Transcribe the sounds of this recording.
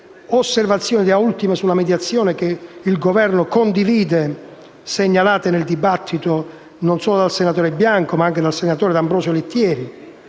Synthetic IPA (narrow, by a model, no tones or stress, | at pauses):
osːervat̪sːjɔːnid̪iault̪imesulamed̪jat̪sːjoːnek̟eilɡovɛrnʊkond̪iviːd̪e | seɲːalaːt̪eneld̪ibat̪ʰːit̪o | nonsɔːlod̪alsenat̪oːɾebjaŋkomaaŋked̪alsenat̪oːɾed̪ambɾɔːsolit̪ːjɛːɾi